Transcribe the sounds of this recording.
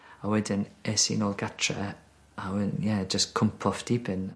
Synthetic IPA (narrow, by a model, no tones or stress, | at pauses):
awɛdɪnɛsḭnɔlˠɡatʰɹə̰ | awɪnjɛd͡ʒəskʰʊmpʰɔfd̥ibɪn